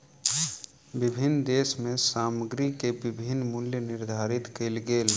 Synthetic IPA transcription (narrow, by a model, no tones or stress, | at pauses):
bɪbʱɪnːd̪eːsmẽsaːməɡɾikebɪbʱɪnːmʊljənɪɾd̪ʱaːɾɪt̪kelɡeːl